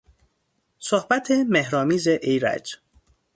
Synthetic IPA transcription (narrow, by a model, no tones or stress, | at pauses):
sohbæt̪ʰemehɾɒːmiːzeʔejɾæ̰d͡ʒ